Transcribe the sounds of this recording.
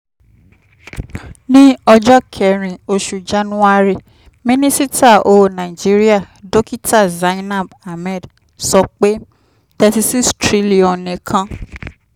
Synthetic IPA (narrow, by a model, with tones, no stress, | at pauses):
nĩ˦ɔ˧d͡ʒɔ˦kʰɛ˨ɾ̃ĩ˨o˧ʃu˨d͡ʒa˦nũ˦a˦ɾe˧ | mĩ˦nĩ˦si˦ta˦˨o˨nã˨i˨d͡ʒi˦ɾi˦a˦˨ | do˦ki˦ta˦˨za˨˦ĩ˦nã˦˨ba˨mɛ̃˦˨d | sɔ˧˦k͡pe˦ | tɛ˧si˧si˦stɾi˨˦li˨ɔ̃˨nẽ˨kʰã˧